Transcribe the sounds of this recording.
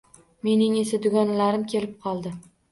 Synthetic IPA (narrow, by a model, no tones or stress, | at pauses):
me̞nɪŋesɪd̪ʊɡʲɒnlaɾɪmkʲʰe̞lɪp̚qʰɒlˠd̪ɪ